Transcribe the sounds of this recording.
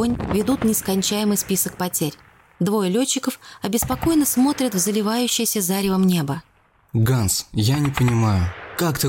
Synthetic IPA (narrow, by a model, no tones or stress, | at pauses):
onʲvʲɪd̪ut̪nʲɪskɐnʲt͡ɕæjɪmɨjspʲisək̚pɐtʲeɾʲ | d̪vo̞jəlʲot͡ɕːɪkəfɐbʲɪspɐko̞jnəsmo̞t̪ɾʲət̪vzəlʲɪvajʉɕːɪjəsʲəzaɾʲɪvəmnʲe̞bə | ɡansjanʲɪpənʲɪmajʊkakt̪ə